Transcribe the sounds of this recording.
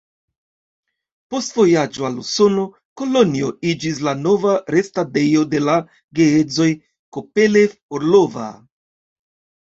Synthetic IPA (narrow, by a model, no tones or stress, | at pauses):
po̞stvo̞jad͡ʒo̞aluso̞no̞ | ko̞lo̞nio̞id͡ʒis̬lano̞vaɾe̞stade̞jo̞de̞la | ɡe̞ed͡zo̞j | kope̞le̞foɾlo̞va̰